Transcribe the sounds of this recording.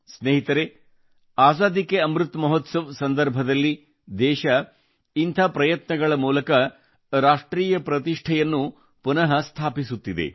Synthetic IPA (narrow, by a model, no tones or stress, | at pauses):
sneːɦit̪ɐɾe | aːsaːd̪ikeɐmɾut̪mɐɦɔt̪sɐʋsɐnd̪ɐɾbʱɐd̪ɐlːi | d̪ɛːʃɐ | int̪ʰɐpɾɐjɐt̪nɐɡɐɭɐmuːlɐkɐ | ɾaːʂʈɾiːjɐpɾɐt̪iʂʈʰɐjɐnːu | punɐɦɐst̪ʰaːpisut̪ːid̪e̞̰